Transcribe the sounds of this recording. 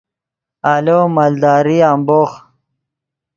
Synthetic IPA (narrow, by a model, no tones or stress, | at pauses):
alomald̪ɑːɾiamboːχ